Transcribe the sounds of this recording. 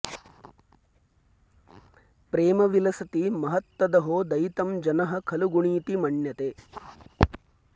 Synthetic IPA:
pɾeːmɐʋilɐsɐt̪imɐɦɐt̪ʋɐd̪ɐɦoːd̪ɐjt̪ɐmd͡ʒɐnɐɦɐ̆kʰɐluɡuɳiːt̪imɐɳjɐt̪eː

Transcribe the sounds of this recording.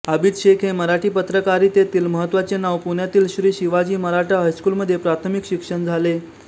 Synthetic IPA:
əbiːt̪ɕekʰɦeməɾaʈiːpət̪ɾəkaɾiːt̪et̪iːlməɦət̪ːʋat͡ɕenaʋpuɳjat̪iːlɕɾiːɕiʋad͡ʑiːməɾaʈʰaɦəjskuːlməd̪ʱːjepɾat̪ʰəmikɕikʂəɳd͡zʱale

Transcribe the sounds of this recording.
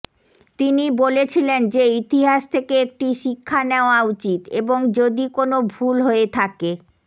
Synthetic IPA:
t̪inibolet͡ɕʰilend͡ʑeit̪iɦaʃt̪ʰekeek̚ʈiʃikʰːaneoaut͡ɕit̪ḛboŋd͡ʑod̪ikonobʱulɦoet̪ʰake

